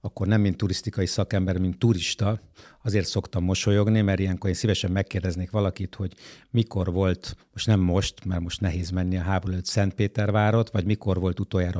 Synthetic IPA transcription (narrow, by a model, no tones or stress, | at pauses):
ɒkːo̞rnɛmːint̪ːuɾist̪ikɒjisɒkɛmbɛrmint̪ːuɾiʃt̪ɒɒzeːrt̪so̞kt̪ɒmːo̞ʃo̞jo̞ɡnimɛɾijɛŋkoɾeːnsivɛʃɛmːɛkːeːrd̪ɛzneːkʋɒlɒkit̪ho̞ɟmiko̞rvo̞lt̪moʃtnɛmːo̞ʃt̪mɛrmo̞ʃt̪nɛɦeːzmɛnːiɒɦaːboɾɛløt̪sɛnt̪̚peːt̪ɛrvaːɾo̞t̪ʋɒɟmiko̞rvo̞lt̪ut̪oːjaːɾɒ